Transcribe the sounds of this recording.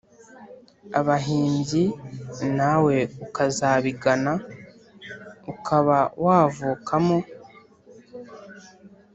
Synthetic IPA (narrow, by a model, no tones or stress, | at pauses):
aβaɦiːɲɟinawe̞ukazaːβiɡana | ukʰaβawaːvuːkʰamo̞